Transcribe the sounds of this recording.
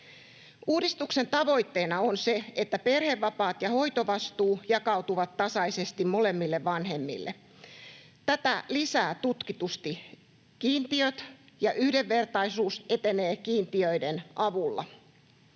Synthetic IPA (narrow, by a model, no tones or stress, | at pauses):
uːdist̪ukse̞nt̪ɑʋo̞jt̪ːeːnɑonse̞et̪ːæpe̞rheʋːɑpɑːt̪jɑho̞jt̪oʋɑst̪uːjɑkɑwt̪uʋɑt̪tɑsɑisest̪immo̞le̞mːilːeʋʋɑnɦe̞mːḭlːḛ | t̪æt̪ælisæːt̪ut̪kit̪ust̪i | kiːnt̪iøt̪ | jɑʔyhdeʋːe̞rt̪ɑisuːse̞t̪eneːkiːnt̪iøidenʔɑʋulːɑ̰